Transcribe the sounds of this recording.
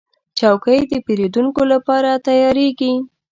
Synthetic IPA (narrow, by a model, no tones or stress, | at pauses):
t͡ʃɑwkəjd̪əpeɾed̪uŋkolapɑɾat̪ajɑɾeɡi